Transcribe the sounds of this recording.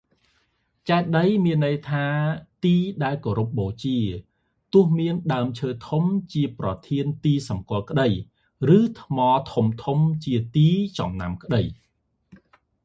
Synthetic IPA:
t͡ɕaɛt̪̚ɗəjmiənːəjt̪ʰaːt̪iːɗaɛlkoːɾup̚ɓoːt͡ɕiə | t̪ʊ̆əhmiənɗaəmt͡ɕʰəːt̪ʰumt͡ɕiəprɑt̪ʰiənt̪iːsɑmkŏəlkə̆ɗəj | rɨːt̪ʰmɑːt̪ʰumt̪ʰumt͡ɕiət̪iːt͡ɕɑ̰mna̰mkə̆ɗəj

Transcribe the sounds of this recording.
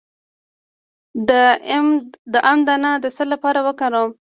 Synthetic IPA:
d̪əʔamd̪anɑd̪əsəlapɑɾawəkaɾom

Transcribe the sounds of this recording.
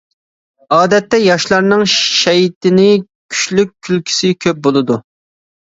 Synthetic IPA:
ɑːd̪ɛt̪ːɛjɑʃlˠɑɾnɨŋʃɛjt̪ɪnɪ | kʲʰy̥ʃlyk̚ʲʰːylkʲʰi̥sɪkʲʰøp̚bolˠɨd̪u

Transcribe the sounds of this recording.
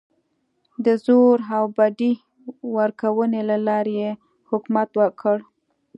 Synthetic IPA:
d̪əzoɾawbaɖi | wəɾkawənelalɑɾeje | hʊkmat̪wəkʰəɽ

